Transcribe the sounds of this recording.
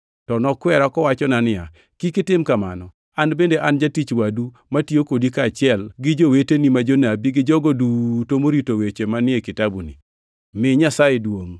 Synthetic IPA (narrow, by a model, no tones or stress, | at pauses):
tɔnɔkwɛɾakɔwat͡ʃɔnanɪa̰ | kikɪtɪmkama̰nɔ | anbendeʔand͡ʒatit͡ʃwadu | matiokodikat͡ʃɪɛlɡɪd͡ʒowetenimad͡ʒonabiɡɪd͡ʒɔɡodutomoɾitowet͡ʃemanɪekɪtabunḭ | mɪɲasajedwoŋ